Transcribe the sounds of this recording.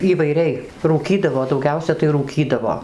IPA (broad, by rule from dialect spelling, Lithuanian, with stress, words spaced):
iːʋɐɪˈrʲɛɪ ruːˈkʲiːdɐʋoː dɐʊˈɡʲɛʊsʲɛ tɐɪ ruːˈkʲiːdɐʋoː